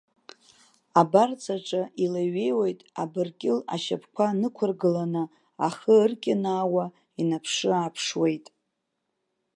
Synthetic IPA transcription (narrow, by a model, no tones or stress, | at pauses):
abart͡sʰaʈ͡ʂʼaʔilaɥe̞jwejtʼabɨrkʲʼɪla̰ʃa̰pʰkʷʰanɨkʷʰʊrɡɨlanɨ | aχəɨrkʲʼɪnaːwa | inapʰʂɨapʰʂwe̞jtʼ